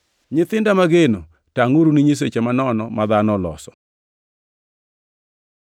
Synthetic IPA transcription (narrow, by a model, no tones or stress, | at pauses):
ɲɪt̪ɪndamaɡeno | taŋoɾuniɲis̬et͡ʃemanɔnɔmad̪anɔlɔ̰sɔ̥